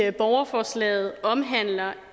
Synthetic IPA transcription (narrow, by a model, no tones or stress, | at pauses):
əb̥ɒʊɐfɒːslɛ̰ːð̞̩ˠɒ̽mɦæn̰lɐ